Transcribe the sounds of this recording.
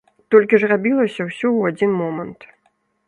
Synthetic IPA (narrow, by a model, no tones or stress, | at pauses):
t̪ɔlʲkʲiʐrabʲilˠɐsʲɐwsʲɔwad͡zʲinmɔmɐnt̪